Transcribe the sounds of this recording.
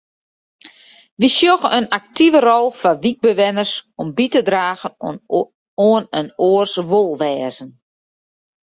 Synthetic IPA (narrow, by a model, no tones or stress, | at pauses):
ʋisjoxənak̚tivərɔlˠfaʋik̚bəʋɪnərsɔmbitədraːɣən | oənənoːərsʋolˠʋɛːzən